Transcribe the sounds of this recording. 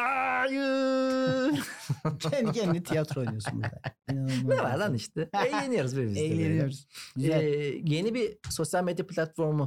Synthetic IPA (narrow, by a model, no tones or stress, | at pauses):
ajɯ | cʰɛncʰɛnit̪ʰijat̪ɾolˠijosṵm̰d̪a̰nɛva̰ɾd̪æniʃt̪ʰɛejlʲe̞nijo̞ɾuzbiɾvizejlʲeenijoɾz̥ɛje̞nibiso̞sjalʲme̞d̪japʰʲlʲat̪fo̞ɾmu